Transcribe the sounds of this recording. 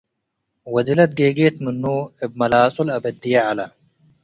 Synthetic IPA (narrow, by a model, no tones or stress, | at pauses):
wɐd̪ilɐt̪̚ɡeːɡeːt̪mɨnːuːeb̚mɐlaːsulɐbɐd̪ːijaʕalɐ